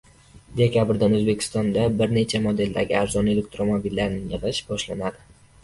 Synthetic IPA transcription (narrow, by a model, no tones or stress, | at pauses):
d̪e̞kʲabɪɾd̪anɵzbe̞kʲʰɪ̥st̪ɒnd̪abɪɾne̞t͡ʃʰamod̪e̞ld̪aɡʲɪaɾzɒne̞lek̚ʲt̪ɾomobilːaɾnɪŋjɨʁɨʃbɒʃlanad̪ɪ